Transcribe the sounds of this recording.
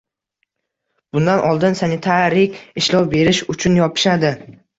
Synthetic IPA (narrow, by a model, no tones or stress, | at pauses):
b̥ʊnd̪anʔɒlˠd̪ɪnsanɪt̪ʰaɾɪkʲɪʃlɒwbe̞ɾɪʃʊt͡ʃʰʊnjɒpʰɪ̥ʃad̪ɪ